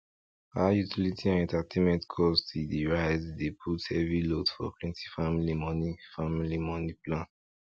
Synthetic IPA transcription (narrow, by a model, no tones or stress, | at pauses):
aajutʰilitʰiãnɛ̃ntatʰẽmɛ̃ntkʰɔstidiɹaɪzdepʰuthɛvɹilotfɔ̰plɛ̃ntʰifamilimɔnifamilimɔniplãn